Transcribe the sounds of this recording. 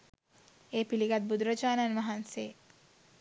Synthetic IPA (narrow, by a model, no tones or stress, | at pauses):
eːpiliɡat̪̚bud̪ɾəd͡ʒaːnanʋɐɦanseː